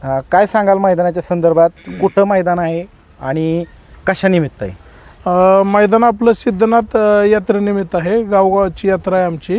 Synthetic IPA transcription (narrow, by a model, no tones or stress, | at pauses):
kajsãŋɡalməjd̪anat͡ɕjasənd̪əɾbʱat̪̚kuʈʰəːməjd̪anaɦe | aɽ̃i | kəɕanimit̪ːa̰ḛ | məjd̪anapləsid̪ʱːnat̪jat̪ɾenimit̪aɦeɡawɡat͡ɕiːjat̪ɾaeamt͡ɕi